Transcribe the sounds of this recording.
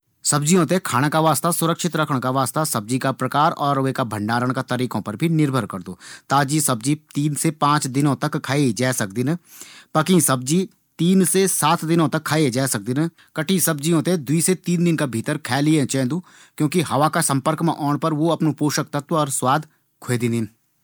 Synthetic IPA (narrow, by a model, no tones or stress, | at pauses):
sɐbd͡ʒijõt̪̬ekʰaːɽ̃akaʋaːst̪asʊɾəkʃɪt̪ɾɐkʰəɽ̃kaʋaːst̪asɐb̚d͡ʒikapɾɐkaːɾɔːɾʋekabʱə̃ɳɖaːɾəɽ̃kat̪əɾiːkõpɐɾbʱinɪɾbʱəɾkɐɾd̪o̰ːt̪aːd͡ʒisɐb̚d͡ʒit̪iːnsepãːt͡ʃd̪ɪnõt̪ɐkʰːaːed͡ʒaːsɐk̚d̪ɪnə̃ | pɐkĩsɐb̚d͡ʒi | t̪iːnsesaːt̪d̪ɪnõt̪ɐkʰːaːed͡ʒɛːsɐk̚d̪ɪnə | kɐʈʰĩsɐb̚d͡ʒijõt̪ed̪ʊiːset̪iːnd̪ɪnkabʱiːt̪əɾkʰɛːliẽt͡ʃɛ̃ːd̪uː | kjõːkiɦɐʋakasɐ̃mpəɾkmẽʔɔːɳpəɾʋoɐpnopoːʃək̚t̪ɐt̪ɔːɾswaːd̪ʱ | kʰoeːd̪ĩnd̪ɪn